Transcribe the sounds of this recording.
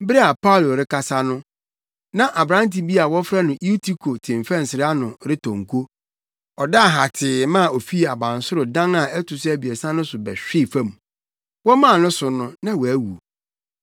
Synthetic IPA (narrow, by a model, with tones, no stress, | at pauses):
bɾɛ˦a˨pʰa˦ʊ˨lo˨ɾɪ˦ka˨sa˦nʊ̃˦ | nã˦ʔa˨bɾã˦n˦ti˨bi˦a˨wɔ˦fɾa˦nʊ̃˨i˦tʰi˦kʰo˨tʰɪ̃˨mfɛ̃˦n˨sɪ˨ɾɪ˦a˦nʊ̃˨ɾɪ˦tʰɔ̃˨ŋ˨kʰo˦ | ɔ˨da˦˨ɦa˨tʰɪ˨mã˦˨o˨fi˦˨a˨bã˨n˨sʊ˦ɾʊ˨dã˦na˨ɛ˦tʰʊ˨sɛ˦æ˨bi˨e˨sã˦nʊ̃˦sʊ˨bɛ˨ɕᶣɪ˦˨fã˦mũ˨ | wɔ˦mã˦˨nʊ̃˦sʊ˨nʊ̃˨nã˦wɔ˨æ˦wu˨